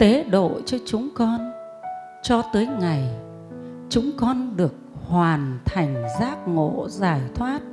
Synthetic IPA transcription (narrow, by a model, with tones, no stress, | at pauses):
t̪e˨˦ɗo̰˧˨t͡ɕɔ˧t͡ɕʊ˨˦ŋ͡mkɔ˧n | t͡ɕɔ˧t̪əː˨˦jŋa˨˩j | t͡ɕʊ˨˦ŋ͡mkɔ˧nɗɨ˨˩ək̚hwaː˨˩nt̪ʰa˨˩jŋ̟zaː˦˥k̚ŋo̰˧˨zaː˧˩jt̪ʰwaː˦˥t̚